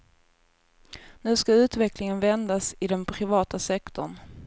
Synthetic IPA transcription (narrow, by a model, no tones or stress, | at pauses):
nʉ̟ːskaʉ̟ːt̪vɛklɪŋənvɛnd̪asɪd̪ɛnpʰɾɪvɑːt̪asɛkt̪ɔɳ